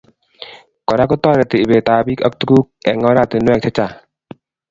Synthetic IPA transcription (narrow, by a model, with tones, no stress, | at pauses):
kɔ˨ɾa˦kɔ˦t̪ɔ˥˨ɾɛ˨t̪i˨ʔbe˨t̪aː˧bi˦ka˦k̚t̪u˦ku˦k̚ɛ̰˨ŋɔ˧˦ɾa˦˧˨t̪e˨nwɛ˥˧˨k̚t̪ʰɛ˦˥t͡ɕa˧˨